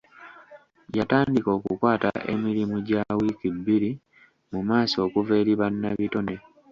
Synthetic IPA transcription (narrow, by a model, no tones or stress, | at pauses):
jataːndiko̞ːkukwaːta̰ʔe̞̰miɾimuɟawikibːiɾi | mumaːso̞ːkuve̞ːɾiβanːaβito̞ne